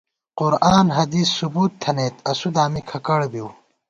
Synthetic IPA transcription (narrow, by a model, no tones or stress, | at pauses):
qʊɾaːnɦɐd̪iːsːubuːt̪ʰːɐneːt̪ɐsud̪aːmikʰɐkɐɽbiw